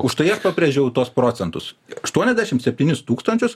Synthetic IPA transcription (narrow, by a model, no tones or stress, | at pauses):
ʊʃt̪ɐɪɐʃpɐpʲɾʲeːʒʲɛʊt̪uɔspɾoːt̪t͡s̪ʲɛnt̪ʊsɐʃt̪uɔnʲɛzʲd̪ʲæːʃʲɪmt̪sʲɛp̚ʲtʲiːnʲɪst̪uːkst̪ɐnʲt͡ʃʲʊs